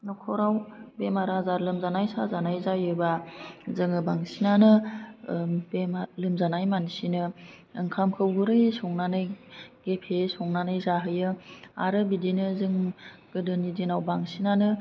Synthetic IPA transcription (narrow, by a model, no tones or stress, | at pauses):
nɔkʰɔɾawbemaɾazaɾlɯmzanajsazanajzajɯbazɯŋɯbaŋsinanɯ | bemalɯmzanajmansinɯ | ɯŋkʰamkʰɯwɡɯɾɯjesɔŋnanɯjɡ̥epʰesɔŋnanɯjzaɦɯjɯa̰ɾɯbidinɯzɯŋɡ̥ɯdɯnidinawbaŋsinanɯ